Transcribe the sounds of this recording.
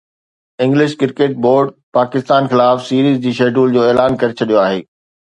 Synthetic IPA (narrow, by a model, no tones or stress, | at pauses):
ɪ̃ŋɡlɪʃkɪɾkeːʈ̚boːɾɖpaːkɪst̪aːnxɪlaːfsiːɾiːzd͡ʑiːʃeːɖuːld͡ʑoːɛːlaːnkɐɾet͡ɕʰɐɗijoaːɦḛː